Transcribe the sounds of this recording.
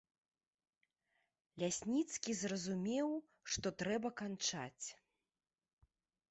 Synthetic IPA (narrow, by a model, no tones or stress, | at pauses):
lʲasʲnʲit̪skʲizrɐzumʲɛw | ʂt̪ɔt̪ɾɛbɐkant͡ʂa̰t͡sʲ